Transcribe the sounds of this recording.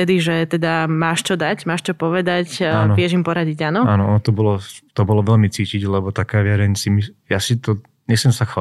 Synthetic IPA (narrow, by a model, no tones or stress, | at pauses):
t̪ɛd̪iʒɛt̪ɛd̪amaːʃt͡ʃɔd̪aɟmaːʃt͡ʃɔpɔʋɛd̪acanɔʋɪɛʒimpɔɾaɟiɟaːnɔaːnɔɔnɔt̪ɔbɔlɔt̪ɔbɔlɔʋɛlmit͡siːciɟlɛbɔt̪akaːʋɪɛɾɛɲsimijasit̪ɔ | ɲɛsɛmsaxa